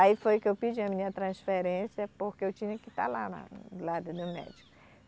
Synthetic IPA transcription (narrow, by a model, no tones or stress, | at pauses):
aifojʊkɪewpid͡ʒiɐmĩɲɐt̪ɾɐ̃sfeɾẽsjɐpoɾkeewt͡ʃĩɲɐkɪt̪a̰lanɐ̰lad̪ʊd̪ʊmɛ̰d͡ʒikʊ